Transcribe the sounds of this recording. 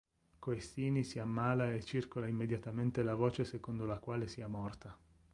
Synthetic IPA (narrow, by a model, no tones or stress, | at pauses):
koest̪iːnisiamːaːlaet͡ʃːirkolaimːed̪jat̪ament̪elavoːt͡ʃesekond̪olakwaːlesiamɔrt̪a